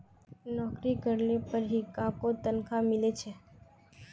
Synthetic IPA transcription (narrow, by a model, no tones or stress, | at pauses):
nɔkɾiɡʱəɽlepəɾɦikãkot̪ənkʰamɪlet͡ʃʰe